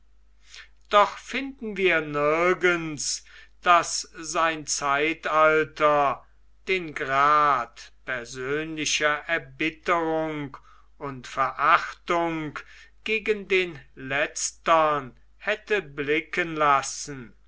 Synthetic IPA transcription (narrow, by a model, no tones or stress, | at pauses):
d̥ɔχfɪndn̩viːɐnɪɐɡənsd̥asz̥aɪnt͡saɪtaltɐ | d̥eːnɡʁaːtpɛɐzøːnlɪʃɐʔɛɐbɪtəʁʊŋk | ʊntfɛɐʔaχtʊŋk | ɡ̥eːɡəndeːnlɛt͡stɐn | hɛtəblɪkənlasn̩